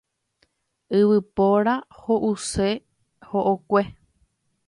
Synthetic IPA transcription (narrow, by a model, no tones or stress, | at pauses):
ɨβɨpoɾahoʔuse | hoʔokʷe